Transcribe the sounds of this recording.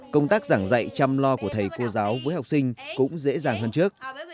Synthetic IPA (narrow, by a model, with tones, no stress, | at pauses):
kə˧wŋ͡mt̪aː˦˥k̚zaː˧˩ŋza̰˧˨jt͡ɕa˧mlɔ˧ku˧˩ət̪ʰə˨˩jko˧zaː˨˦wvəː˨˦jha˨˩wk͡p̚sï˧ŋ̟kʊ̰˧˥ŋ͡mzḛ˧˥zaː˨˩ŋɦəː˧nt͡ɕɨ˦˥ək̚